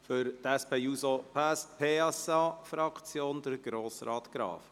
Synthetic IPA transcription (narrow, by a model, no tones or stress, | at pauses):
fʏɾt̪æspeːusopʰæspʰeːɛsɑfɾɑkʰt͡sjoːnd̪əɾɡ̥ɾoːsɾɑːt̪ɡ̥ɾɑ̰ːf